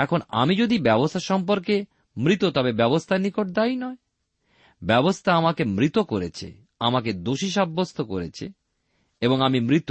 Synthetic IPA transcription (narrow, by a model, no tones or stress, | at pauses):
ɛkʰona̰mid͡ʑod̪ibɛbost̪ʰaɾʃɔmpoɾke | mɾit̪ot̪ɔbebɛbost̪ʰaɾnikoʈ̚d̪ainɔe | bɛbost̪ʰaamakemɾit̪okoɾet͡ɕʰḛ | amaked̪oʃiʃabːost̪ʰoko̰ɾet͡ɕʰḛ | eboŋamimɾit̪